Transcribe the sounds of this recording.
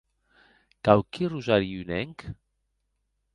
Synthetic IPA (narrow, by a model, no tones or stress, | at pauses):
kawkiruzaɾiynɛŋk